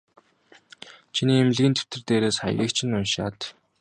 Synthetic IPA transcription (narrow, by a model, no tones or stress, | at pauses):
t͡ɕʰiniːemɮɣʲĭnt̪ʰe̥w̥t̪ɘ̆rt̪eːɾeːsχa̰jɣʲiːkt͡ɕʰɪ̆nːʊnʃa̰ːt̪